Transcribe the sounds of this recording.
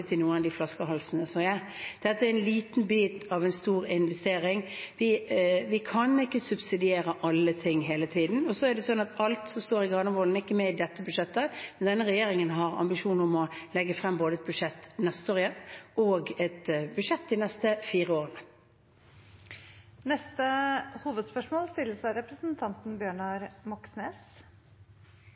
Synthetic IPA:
ət̪ʰɪnuːənɑd̪iflɑskəɦɑlsnəsɔjæɪ | d̪̥ɛt̪ːəæɾɛnliːt̪n̩biːt̪ɑʋɛɪnst̪uːɾɪnʋɛst̪eːɾɪŋʋɪʋɪkʰɑnɪkːəsʉbsɪd̪ɪeːɾəʔɑlːət̪ʰɪŋːɦeːlət̪ʰiːd̪n̩ɔsɔæɖɛsɔnːɑt̪ɑlt̪sɔmst̪oːɾɪɡɾɑnəʋɔln̩ɪkːəmɛɪd̪ɛt̪ːəbʉʂɛt̪ːəmɛnd̪ɛnːəɾɛjeːɾɪŋənɦɑɾɑ̰mbɪʃuːnəɔmɔlɛɡːəfɾɛmːboːd̪əɛt̪bʉʂɛt̪ːnɛst̪əoːɾɪjɛnɔɡɛt̪bʉdʂɛt̪ːd̪ɪnɛst̪əfiːɾəoːʁənə | nɛst̪əhuːʋəd̪spœʂmoːlst̪ɪlːəsɑɪɾɛpɾəsn̩t̪ʰɑnt̪n̩bjøːɳɑɾmɔksneːs

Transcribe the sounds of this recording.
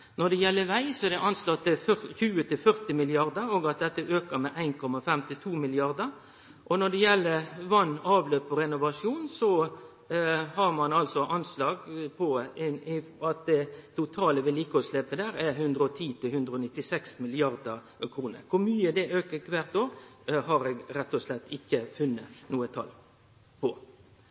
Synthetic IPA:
nɔɖ̪ɛjɛlːəʋæɪsɔɛd̪ɛʔɑnslɑt̪ːfçʉːət̪ʰɪlfœɾt̪ɪmɪlɪɑɾd̪əɔɡɑt̪̚d̪ɛt̪ːəʔøːkəmɛʔæɪnkʰɔmɑfɛmt̪ɪt̪ʰuːmɪlɪɑɾd̪əɾ | ʔɔnɔɖ̪ɛjɛlːəɾʋɑnːɑːʋløːpɔɾɛnʊʋɑʂjuːnsɔ | ɦɑɾmɑnɑlsɔʔɑnslɑːɡpʰɔɛɪɑt̪̚d̪ɛt̪ʊt̪ʰɑːləʋɪliːkəɔslɛpəd̪æːɾɛɦʉnd̪ɾəɔt̪ʰiːt̪ʰɪlhʉnd̪ɾəɔnɪt̪ːɪsɛksmɪlɪɑɾd̪ə | kʰɾuːnə̰ɾkʰʊɾmyːəd̪ɛʔøːkəkʰʋæɾt̪oːɾɦɑɾɛɡɾɛt̪ːɔslɛt̪ːɪkːəfʉnːənuːət̪ʰɑ̰l | pʰɔ

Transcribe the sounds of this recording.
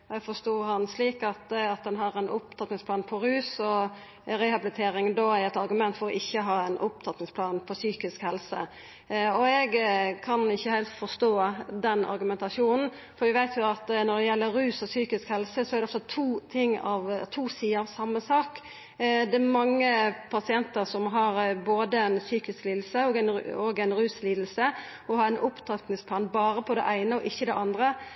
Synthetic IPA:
ɛɡfɔst̪oːɾhɑnsliːkɑt̪ɑt̪̚d̪ɛnɦɑɾɛnʔʊp̚t̪ʰɑt̪nɪŋsplɑːnpʰɔɾʉːsɔ | ɾɛhɑbɪlɪt̪ʰeːɾɪŋnd̪oːæɾɛt̪ɑɾɡʉmɛnt̪fɔɾɔʔɪçːəɦɑːɛnʔʊp̚t̪ʰɑt̪nɪŋspʰlɑːnpʰɔsyːkɪskhɛlsə̰ | ɔɛɡkʰɑnɪçːəhɛɪlst̪fɔst̪oːd̪ɛnɑ̰ɾɡʉmɛnt̪ɑʂuːnn̩ | fɔɾʋɪʋæɪt̪ʰjʊɑt̪nɔd̪ɛjɛlːəɾʉːsɔsyːkɪskhɛlsəsɔɛæɾd̪ɛɔft̪ət̪ʰuːt̪ʰɪŋːɑ̰ʋt̪ʰuːsiːəɾɑʋsɑmːəsɑːk | d̪ɛɾmɑŋːəpʰɑsɪɛnt̪əɾsɔmɦɑɾboːd̪əɛnsyːkɪskliːd̪l̩səɔɡæɪnɔɡæɪnɾʉːsliːd̪l̩sə | ɔhɑɾɛnʔʊpt̪ʰɑt̪nɪŋspʰlɑːnbɑːɾəpʰɔd̪ɛ̰ʔæɪnəɔʔɪçːəd̪ɛʔɑnd̪ɾə

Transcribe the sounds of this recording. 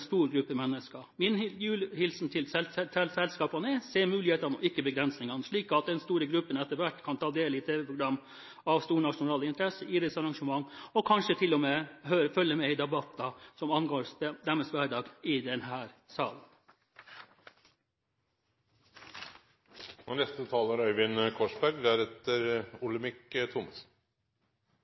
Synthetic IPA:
st̪uːɾɡɾʉpːəmɛnːəskɑmɪnjʉːlhɪlsn̩t̪ʰɪlsɛsɛlsɛlskɑːpɑnəɛseːmʉːlɪheːt̪ɑnɔ̰ɪkːəbəɡɾɛnsnɪŋɑnʂɭiːkɑt̪̚d̪ɛnst̪uːɾəɡɾʉpːənɛt̪ːəɾʋæʈːkʰɑnt̪ʰɑːd̪eːlɪt̪ʰeːʋɛpʰɾʊɡɾɑmː | ɑʋst̪uːɾnɑʂʊnɑːlɪnt̪ʰɾɛsəʔiɾɛsɑɾɑŋʂəmɑŋːɔkʰɑnʂət̪ʰɪlɔmeɦøːɾəfœlːəmɛɪd̪ɛbɑt̪ːɑsɔmɑnɡoːɾsɛd̪ɛmːəsʋæɖɑːɡɪd̪ɛnɦæːɾsɑːlən | ɛnɛst̪ət̪ʰɑːləɾœʏʋɪnkʰɔʂbæɾɡd̪ɛæɾɛt̪əɾʊlɪmɪkt̪ʰʊmɑs

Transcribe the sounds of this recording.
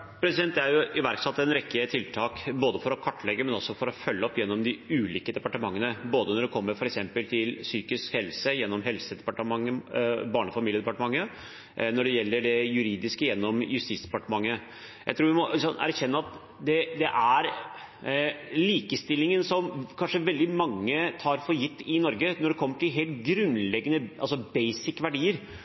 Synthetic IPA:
pʰɾɛsɪd̪ɛnt̪d̪ɛæɾjʊʔɪʋæɾksɑt̪ːɛnɾɛkːət̪ʰɪlt̪ʰɑːkboːd̪əfɔɾɔkʰɑʈːɭɛɡːəmɛnɔsːɔfɔɾɔfœlːəɔpjɛnːɔmd̪ɪʉːliːkəd̪ɛpɑʈəmɑŋːənəboːd̪ənɔɖɛkʰɔmːəɾfɔɾɛksɛmpəlt̪ʰɪlsyːkɪskhɛlsəjɛnːɔmɦɛlsəd̪ɛpɑʈəmɑŋːəbɑːɳəfɑmiːljəd̪ɛpɑʈəmɑŋːə | nɔɖɛjɛlːəɖɛjʉɾiːd̪ɪskəjɛnːɔmjʉst̪ɪːsd̪ɛ̥pɑʈəmɑŋːə | jæ̰ɪt̪ʰɾuːʋɪmɔsɔnæ̰ɾçɛnːəɑt̪ | d̪ɛd̪ɛʔæɾ | liːkəst̪ɪlːɪŋənsɔmkʰɑnʂəʋɛld̪ɪmɑŋːət̪ʰɑːɾfɔɾjɪt̪ːɪnɔɾɡənɔɖɛkʰɔmːəʈʰɪlɦeːlt̪ɡɾʉnlɛɡːənəʔɑlsɔbeɪsɪkːʋæɖiːəɾ

